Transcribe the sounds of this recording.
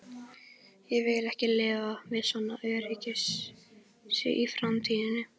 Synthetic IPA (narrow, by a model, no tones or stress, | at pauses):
jɛvɪlɛhcɪlɪːvavɪðsɔnːaœːɥɾicɪs | sɪ̰ʔifɾamt̪ʰiːðɪnʏ